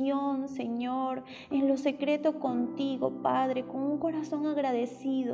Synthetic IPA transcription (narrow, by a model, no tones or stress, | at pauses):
onseɲoɾ | enlo̞se̞kɾe̞t̪o̞ko̞nt̪iɣo̞̰paðɾe̞ko̞ŋuŋko̞ɾaso̞ŋaɣɾaðe̞siðo̰